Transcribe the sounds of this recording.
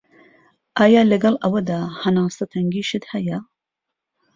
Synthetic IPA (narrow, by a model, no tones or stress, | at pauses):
ʔaːjaːlɐɡɐlʔɐwɐd̪aːhɐnaːst̪ɐt̪ʰɐŋɡiːʃɨt̪hɐjɐ